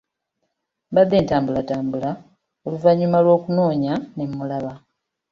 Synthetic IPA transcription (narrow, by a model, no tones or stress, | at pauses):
bad̪ːe̞ːntaːmbulataːmbula | oluvaɲːumalwo̞ːkuno̞ːɲane̞mːulaβa